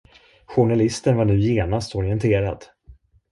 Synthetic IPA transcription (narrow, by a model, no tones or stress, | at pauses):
ɧʊɳalɪst̪ənvaɳʉ̟ːjeːnast̪ɔɾɪɛnt̪ʰeːɾa̰d̪